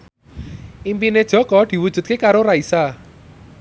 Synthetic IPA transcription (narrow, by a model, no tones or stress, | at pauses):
impined̥ʒ̥ɔ̤kɔd̪̥i̤wudʒ̥ṳt̪̚kekaɾoraisa